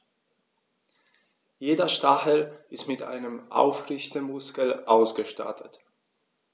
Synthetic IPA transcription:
jeːdɐʃtaxəlʔɪstmɪtʔa̰ɪnəmʔa̰ʊfʁɪçtəmʊskəl̩ʔaʊsɡ̥əʃta̰ɐtʰət

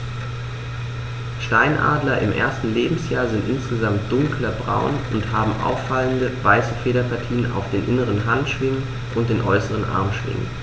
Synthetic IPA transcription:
ʃtaɪnʔa̰ːdlɐʔɪmʔḛːɐstn̩leːbm̩sjaːɐzɪntʔɪnsɡ̥əzamt̚d̥ʊŋklɐbʁa̰ʊnʊnthaːbm̩ʔa̰ʊfːaləndəvaɪsəfeːɾɐpʰaɐtʰiːnənʔa̰ʊfd̥eːnʔɪnəʁənɦantʃv̥ɪŋən | ʔʊnt̚d̥eːnʔɔʏsəʁ̞ənʔa̰ɐmʃv̥ɪ̰ŋə̰n

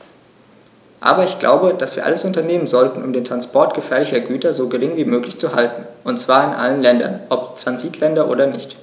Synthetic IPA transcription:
ʔa̰ːbɐɪçɡ̥la̰ʊbəd̥asv̥iːɐʔa̰ləsʔʊntɐneːmənzɔltn̩ʊmdeːntʁ̥anspʰɔɐtɡ̥əfɛːɐlɪçɐɡyːtɐzoːɡəʁɪŋviːmøːklɪçt͡suhaltn̩ | ʔʊntt͡sv̥aːɐɪnʔa̰lənlɛndɐ̰nʔɔptʁ̥anziːtʰlɛndɐʔo̰ːdɐnɪçt

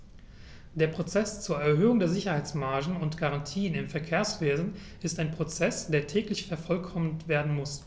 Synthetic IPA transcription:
d̥eːɐpʁ̥ot͡sɛst͡suːɐɛɐɦøːʊŋdeːɐzɪçɐhaɪt͡smaɐʒn̩ʊntɡ̥aʁantʰiːənɪmfɛɐkʰeːɐsv̥eːzn̩ | ʔɪstaɪnpʁ̥ot͡sɛsd̥eːɐtʰɛːklɪçfɛɐfɔlkʰɔməntv̥eːɐdn̩mʊs

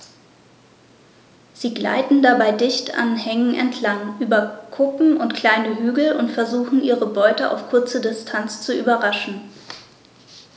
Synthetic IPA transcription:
z̥iːɡla̰ɪtn̩dabaɪdɪçta̰nhɛŋənʔɛ̰ntʰlaŋʔyːbɐkʰʊkŋ̩ʔʊntkʰl̥aɪnəɦyːɡl̩ʊntfɛɐzuːxn̩ʔiːʁəbɔʏtəʔa̰ʊfkʰʊɐt͡sədɪstʰant͡st͡suʔyːbɐʁaʃn̩

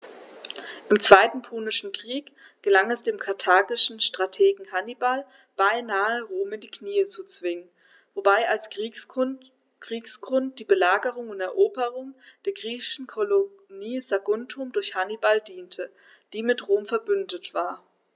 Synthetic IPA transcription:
ʔɪmt͡sv̥aɪtn̩pʰuːnɪʃn̩kʁ̥iːk | ɡ̥əlaŋɛsd̥eːmkʰaɐtʰaːɡɪʃn̩ʃtʁ̥atʰeːɡŋ̩hanibal | b̥aɪnaːəʁoːmɪndiːkniːət͡sut͡sv̥ɪŋən | vobaɪals | ʁ̥iːksɡ̥ʁʊnt̚d̥iːbəlaːɡəʁʊŋʊntɛɐʔoːbəʁʊŋd̥eːɐɡʁiːçɪʃn̩kʰolo | niːzaɡʊntʰʊmdʊɐçhanibaldiːntʰə | d̥iːmɪtʁoːmfɛɐbʏndətv̥aːɐ

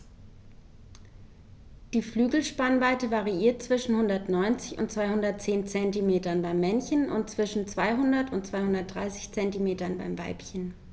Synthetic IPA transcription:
d̥iːflyːɡl̩ʃpanvaɪtəvaʁiiːɐt̚t͡sv̥ɪʃn̩hʊndɐtnɔʏnt͡sɪçʊ̰ntt͡sv̥aɪhʊndɐt̚t͡seːnt͡sɛntimeːtɐnbaɪmːɛnçənʔʊ̰ntt͡sv̥ɪʃn̩t͡sv̥aɪɦʊndɐtʊntt͡sv̥aɪhʊndɐt̚d̥ʁaɪsɪ̥çt͡sɛntimeːtɐnba̰ɪmva̰ɪpçən

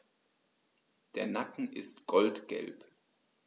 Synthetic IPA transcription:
d̥eːɐnakŋ̩ʔɪ̰stɡ̥ɔltɡ̥ɛ̰lp

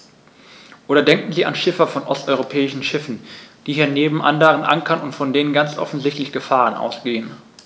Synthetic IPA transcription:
ʔoːɾɐdɛŋkŋ̩ziːa̰nʃɪfɐfɔnʔɔstʔɔʏʁopʰɛːɪʃn̩ʃɪfn̩d̥iːhiːɐneːbm̩ʔa̰ndɐʁənʔa̰ŋkʰɐnʊntfɔndeːnənɡant͡sʔɔ̰fn̩zɪçtlɪçɡ̥əfaːʁənʔa̰ʊsɡ̥eːən

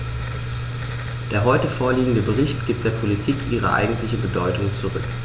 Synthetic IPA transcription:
d̥eːɐɦɔʏtəfoːɐliːɡŋ̩dəbəʁ̞ɪçtɡ̥iːp̚td̥eːɐpʰolitʰiːkʔiːʁ̞ə̰ʔa̰ɪɡŋ̩tlɪçəbədɔʏtʊŋt͡suʁʏk

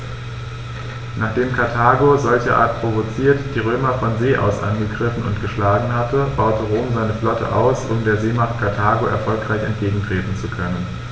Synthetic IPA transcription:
naːχd̥eːmkʰaɐtʰaːɡozɔlçəʔa̰ːɐt̚pʁ̥ovot͡siːɐtd̥iːʁ̞øːmɐfɔnzeːʔa̰ʊsʔa̰nɡəɡʁɪfn̩ʊ̰ntɡ̥əʃlaːɡŋ̩hatəb̥aʊtəʁoːmzaɪnəflɔtə̰ʔa̰ʊsʔʊmdeːɐzeːmaχt̚kʰaɐtʰaːɡoʔɛ̰ɐfɔlkʁ̥aɪçɛ̰ntɡ̥eːɡŋ̩tʁ̥eːtn̩t͡sukʰœnən

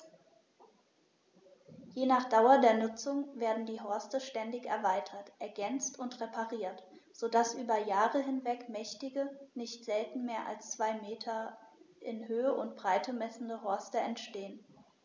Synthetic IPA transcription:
jeːnaːχd̥aʊɐdeːɐnʊt͡sʊŋveːɐdn̩diːɦɔɐstəʃtɛndɪçɛɐvaɪtʰɐtʔɛɐɡɛnt͡stʊntʁepʰaʁiːɐt | z̥oːdasʔyːbɐjaːʁəɦɪnvɛkmɛçtɪɡənɪçtz̥ɛltn̩meːɐʔa̰lst͡sv̥aɪmeːtʰɐʔɪnɦøːəʔʊntb̥ʁaɪtʰəmɛsn̩dəɦɔɐstəɛntʃteːən

